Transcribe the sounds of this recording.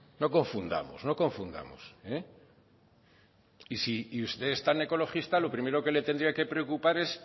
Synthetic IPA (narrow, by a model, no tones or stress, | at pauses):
no̞ko̞ɱfund̪a̰mo̰sno̞ko̞ɱfund̪a̰mo̰se | isiust̪e̞ːst̪ane̞ko̞lo̞xist̪alo̞pɾime̞ɾo̞ke̞le̞t̪e̞nd̪ɾiake̞pɾe̞okupaɾe̞s